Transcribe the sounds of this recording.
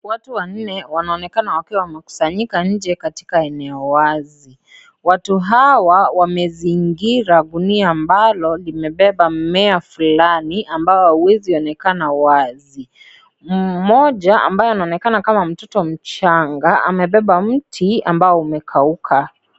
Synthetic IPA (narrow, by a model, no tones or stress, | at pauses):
watuwan̩nɛwanaɔnɛkanawakiwawamɛku̥saɲikaɲ̩d͡ʒɛkati̥kaɛnɛɔwazi | watuɦawawamɛziŋɡiɾaɗuniaːmbalɔlimɛɓɛɓamɛafulaniambaɔhauwɛziɔnɛkanawazi | m̩mɔʄaʔa̰mbajɔanaɔnɛkanakamam̩tɔtɔm̩t͡ʃaŋɡaa̰mɛɓɛɓam̩tʰia̰mbaɔumɛkʰaukʰa